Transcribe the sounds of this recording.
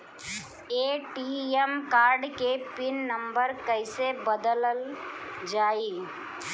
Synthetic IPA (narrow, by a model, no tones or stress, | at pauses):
eːʈiemkaːɾɖkepɪnːəmbəɾkəɪsebəd̪ələld͡ʒaːiː